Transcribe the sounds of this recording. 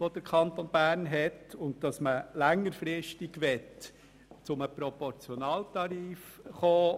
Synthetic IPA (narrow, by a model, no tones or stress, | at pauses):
ʋod̥əɾkʰɑnt̪onb̥æːɾnɦɛtʊnt̚d̥ɑsməlæŋːəɾfɾɪʃtɪɡʋɛt | t͡sʊməpɾɔpɔɾt͡sjɔnɑːltɑɾiːfχoː